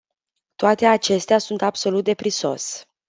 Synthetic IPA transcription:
t̪oat̪e̞at͡ʃe̞st̪easunt̪abso̞lut̪̚d̪e̞pɾiso̞̰s

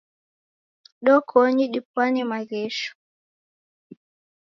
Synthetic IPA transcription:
ɗɔkʰɔɲiɗipwaɲimaɣɛʃu̥

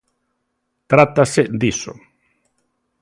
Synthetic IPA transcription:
t̪ɾat̪ased̪iso̰

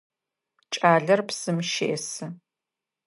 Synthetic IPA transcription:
t͡ʃʼaːɮɐrpsɨmʃḛʔɛsɨ

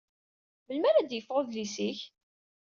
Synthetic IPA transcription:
məlmæɾæd̪jəfʁoðlisiç

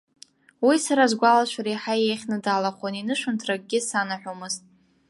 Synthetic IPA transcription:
wisaɾazɡʷalaʃʷaɾajħajejχʲnɨdaːlaχʷaninɨʂʊntʰraɡ̚ʼɡʲɪsanaħʷᶣomɨztʼ

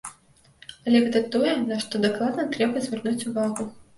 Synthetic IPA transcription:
ɐlʲɛɣɛt̪ɐt̪ɔjɛnɐʂt̪ɔd̪ɐklˠad̪nɐt̪ɾɛbɐzʲvʲɛrnut͡sʲuvaɣu

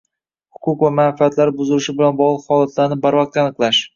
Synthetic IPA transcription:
hʊ̥kʰʊqvamanfiat̪laɾbʊzɪlɪʃɪbɪlanbɒʁlˠɨqhɒlˠat̪ʰlaɾnɪbaɾvɑq̚t̪anɨqlˠaʃ

